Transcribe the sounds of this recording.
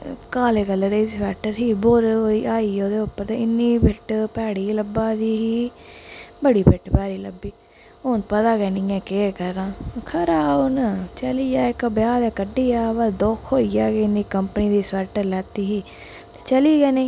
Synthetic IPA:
kaːlekɐlɐɾesʋɛːʈːɐɾɦiboːɾoiʔaːijoːd̪eopːɐd̪einːibeʈːpɛːɽilɐbːaːd̪iːɦi | bɐɽipeʈːpɛːɾilɐbːi | oːnpɐd̪aːɡeniŋekeːkɐɾãːkʰɐɾaːont͡ʃɐlijaːekːɐbjaːd̪ekɐɖijaːʋad̪oːkʰhoːijaːɡeinːikɐmpɐnid̪isʋɛːʈːɐɾlaːt̪ːiɦi | e̥t͡ʃɐliɡene

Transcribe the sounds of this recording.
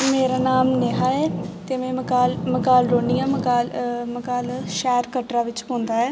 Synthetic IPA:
meːɾaːnaːmneːɦaːɛːt̪eːmɛ̃ːkaːlməkaːlɾoːɳijãːməkaːlməkaːlʃɛːɾkəʈɾaːʋɪt͡ʃɦõːnd̪aːɦɛː

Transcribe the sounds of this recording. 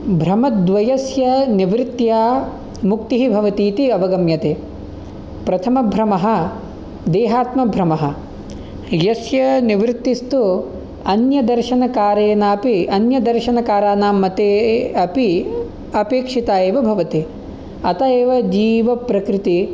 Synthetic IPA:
bʱɾɐmɐt̪d̪ʋɐjɐsjɐniʋɾɪt̪jaː | mukt̪iɦibʱɐʋɐt̪iːt̪iɐʋɐɡɐmjɐt̪eː | pɾɐt̪ʰɐmɐbʱɾɐmɐɦɐ̆ | d̪eːɦaːt̪mɐbʱɾɐmɐɦɐ̆ | jɐsjɐniʋɾɪt̪ːist̪u | ɐnjɐd̪ɐɾʃɐnɐkaːɾeːnaːpiɐnjɐd̪ɐɾʃɐnɐkaːɾaːnaːmɐt̪eːɐpi | ɐpeːkʂit̪aːjeːʋɐbʱɐʋɐt̪i | ɐt̪aeːʋɐd͡ʒiːʋɐpɾɐkɾit̪i

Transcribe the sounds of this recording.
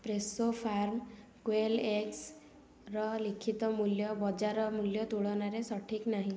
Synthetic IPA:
pɾesopʰaɾmkweleks | ɾɔlikʰit̪ɔmuljɔbɔd͡ʒaɾɔmuljɔt̪uɭɔnaɾesɔʈʰiknaɦĩ

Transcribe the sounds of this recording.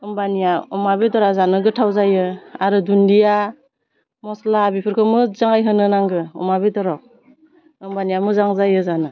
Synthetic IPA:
ɯmbanijaɔmabedɔɾazanɯɡɯtʰawzajɯaɾɯdundija | mɔslabipʰɯɾkʰɯmɯzaŋajɦɯnɯnaŋɡɯɔ̰mabedɔɾɔ | ɯmbanijamɯzaŋzajɯzanɯ

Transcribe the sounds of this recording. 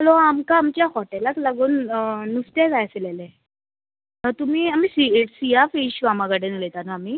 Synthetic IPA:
ɦəloamkaːmt͡ɕjahɔʈɛlaklaɡuːnːust̪eɡajselelɛ | ət̪um̤iːamiːsieʈsijafeɕʋamaɡaʈenulet̪anaam̤iː

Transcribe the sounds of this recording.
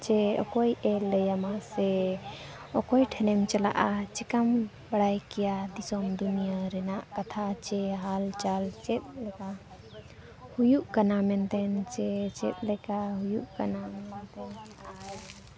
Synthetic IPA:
t͡ʃeɔ̰kɔjʔɛləjamase | ɔkɔjʈʰɛnɛmt͡ʃəla̰ʔat͡ʃɛkəm | bəɽajkijad̪isɔmd̪unijaɾɛnaʔkət̪ʰat͡ʃeɦalt͡ʃalt͡ʃɛt̪̚lɛka | hujuʔkənamɛnt̪ɛnt͡ʃet͡ʃɛt̪̚lɛkaɦujuʔkənamɛnt̪ɛn | aɾ

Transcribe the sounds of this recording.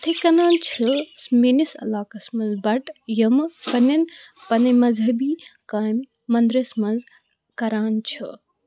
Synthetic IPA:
t̪ʰikɐnaːnt͡ʃʰɨsminisɐ̰laːkɐsmɐnzbɐʈjɐmpɐnɐnpɐnɐmɐzɦɐbiːkaːmː | ɐnd̪ɾɐsmɐnz | kɐɾaːnt͡ʃʰɨ̰

